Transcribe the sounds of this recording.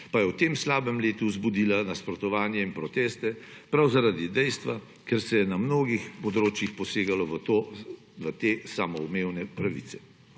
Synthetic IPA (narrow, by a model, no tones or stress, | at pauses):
pajɛwt̪eːmslaːbɛmleːt̪uzbud̪iːlanaspɾɔt̪ɔʋaːnjɛinpɾɔt̪eːst̪ɛpɾawzaɾad̪id̪ɛjst̪ʋa | kɛɾsɛjɛnamnoːɡixpɔd̪ɾoːt͡ʃjixpɔseːɡalɔʋt̪o | ʋət̪eːsamɔumewnɛpɾaʋḭsɛ̥